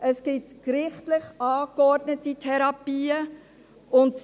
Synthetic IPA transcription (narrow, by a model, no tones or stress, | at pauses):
əskɪtkɾɪχtlɪχɑːkɔɾdnətitʰɛɾɑpiːə | ʔʊnt